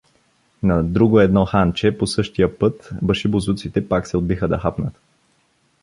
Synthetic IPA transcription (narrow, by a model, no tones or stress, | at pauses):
nɐd̪ɾuɡoɛd̪nɔxant͡ʃɛposɤʃt̪ijəpɤt̪bəʃibozut̪sit̪ɛpaksɛod̪bixəd̪ɐxapnət̪